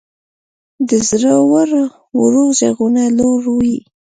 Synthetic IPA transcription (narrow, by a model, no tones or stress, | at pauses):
d̪əzɾəwaɾa | wɾozeɣunaloɾwi